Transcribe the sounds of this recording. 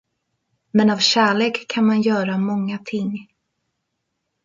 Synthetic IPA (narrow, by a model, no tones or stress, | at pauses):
mɛnavɕæːɭeːkʰːanmanjœːɾamɔŋːat̪ʰɪŋ